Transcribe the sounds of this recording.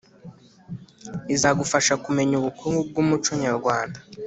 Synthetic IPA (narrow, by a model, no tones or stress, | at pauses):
izaɡufaʃakume̞ɲuβukuŋɡub̚ɡumut͡ʃoɲaɾɡwaːnda